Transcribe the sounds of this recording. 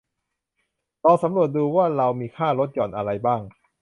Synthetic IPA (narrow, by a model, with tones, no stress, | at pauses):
lɔː˧sa˨˩˦mɾu˨˩ət̪̚duː˧waː˥˩ɾa˧wmiː˧kʰaː˥˩ɾo˦˥t̪̚jɔː˨˩nʔa˧ɾa˧jbaː˥˩ŋ